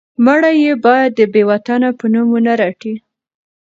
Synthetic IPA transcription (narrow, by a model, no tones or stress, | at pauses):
maɽajebɑjad̪ːəbewat̪anapənumunaɾaʈi